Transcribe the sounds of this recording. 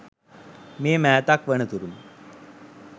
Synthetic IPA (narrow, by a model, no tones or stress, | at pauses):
meːmɛjt̪akʋəɳ̃ət̪uɾuːn